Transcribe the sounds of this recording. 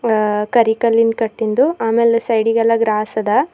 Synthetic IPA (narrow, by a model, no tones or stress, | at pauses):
kɐɾikɐlːinkɐʈːind̪uaːmeːlesɐjɽiɡɐlːɐɡɾaːsɐd̪ɐ